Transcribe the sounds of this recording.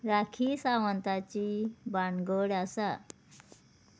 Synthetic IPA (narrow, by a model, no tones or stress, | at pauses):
ɾakʰiːsaʋənt̪at͡ɕibaɳɡəɽasa